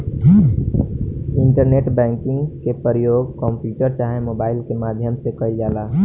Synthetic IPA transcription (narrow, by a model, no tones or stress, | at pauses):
ɪɳʈəɾneːʈbɛ̃ːŋkɪ̃ŋɡkepəɾəjoːɡkɔ̃ːmpjuːʈəɾt͡ʃaːɦẽmoːbaːɪlkemaːd̪ʱjəmsekəild͡ʒaːlaː